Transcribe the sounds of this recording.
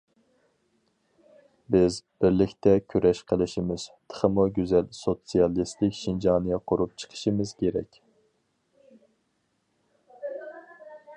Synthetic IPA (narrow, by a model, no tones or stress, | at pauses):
bɪzb̥ɪɾlɪkʲt̪ɛkʲʰyɾɛʃqʰəlˠɪʃimɪz̥t̪ʰə̥χəmuɡʲyzɛlsot̪sijɑlˠist̪ɪkʲʃind͡ʒɑːnɨjɛqʰoɾup̚t͡ʃʰə̥qʰə̥ʃɨmɨz̥kʲʰeɾɛ̰kʲ